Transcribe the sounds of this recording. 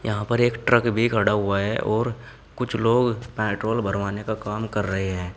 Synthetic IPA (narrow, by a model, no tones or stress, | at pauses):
jɐɦãpɐɾeːkʈɾəkbʱikʰɐɽaɦʊaɦɛʔɔːɾ | kʊt͡ʃʰloːɡpɛ̃ːʈɾoːlbəɾʋaːnekakaːmkɐɾːɐɦeɦɛ̃ː